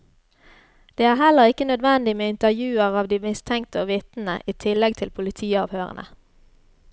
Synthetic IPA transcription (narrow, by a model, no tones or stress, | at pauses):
d̪̥eːæːhɛləʁɪkənœd̪ʋɛnd̪ɪmeːɪnt̪əʁjʉːəʁɑːʋd̪iːmɪst̪ʰɛŋkt̪əoːʋɪt̪n̩ə̰ʔiːt̪ʰɪlɛɡ̚t̪ʰɪlpʰʊlɪt̪ʰiːɑːʋhøːʁə̰nʔə̰